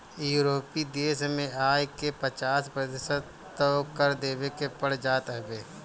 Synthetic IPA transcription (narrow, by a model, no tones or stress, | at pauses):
juːɾoːpid̪eːsmẽaːjkepət͡ʃaːspɾɐt̪ɪʃəd̪ | əkəɾd̪eːbekepəɽ̤d͡ʒaːt̪ɦbeː